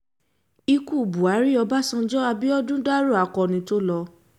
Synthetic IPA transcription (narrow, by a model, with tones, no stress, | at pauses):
i˧ku˦˨bu˨a˨˦ɾi˦ɔ˧ba˦sɔ̃˧d͡ʒɔ˦a˧bi˦ɔ˦dũ˦da˦ɾu˦˨a˨kɔ˧nĩ˧˦to˦lɔ˧